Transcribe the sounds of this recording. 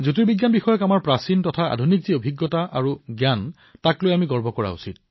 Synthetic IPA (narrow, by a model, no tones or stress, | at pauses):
zutiɹbiɡjanbixɔjɔkamaɹpɹasintɔtʰaa̰dʱunikziobʱiɡːɔtaʔaɹuɡjan | taklojamiɡɔɹbʱɔkɔɹa̰ṵsit̚